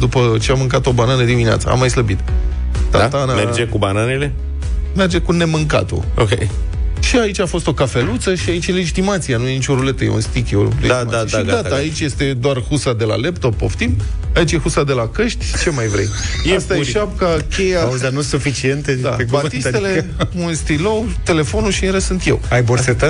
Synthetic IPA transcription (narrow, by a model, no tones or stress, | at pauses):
d̪upət͡ʃeamɨŋkat̪o̞bananəd̪iminea̰t̪sə̰a̰mːajsləbit̪ | t̪a̰t̪anamed͡ʒekubananele | merd͡ʒe̞kune̞mɨŋka̰t̪o̰okʲej | ʃiait͡ʃʲafo̞st̪o̞kafe̞lut̪səʃiait͡ʃjele̞d͡ʒit̪imat̪sijenuje̞nit͡ʃʲo̞ɾule̞t̪əje̞ṵnst̪ikʲjolḛdiaaaijeaiɡdat̪əait͡ʃʲje̞st̪e̞d̪oarhusad̪e̞la̰le̞pt̪o̞pːo̞̰ft̪imait͡ʃʲjexusad̪e̞lakəʃt̪ʲʃi̥t͡ʃe̞majvɾḛjst̪aeʃap̚kakʲʰe̞jazanusufit͡ʃient̪ed̪a̰bat̪ist̪ele | kust̪ilowt̪e̞le̞fo̞nuʃiɨnɾessɨnt̪je̞̰wajboset̪ə